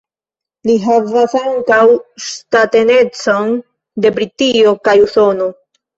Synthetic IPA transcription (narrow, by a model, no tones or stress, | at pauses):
liɦavasaŋkawstate̞ne̞t͡so̞n | de̞bɾitiokajuso̞no